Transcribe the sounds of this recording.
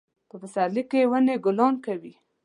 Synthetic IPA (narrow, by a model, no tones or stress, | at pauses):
pəbəsaɾlikeewəneɡʊlɑnkawi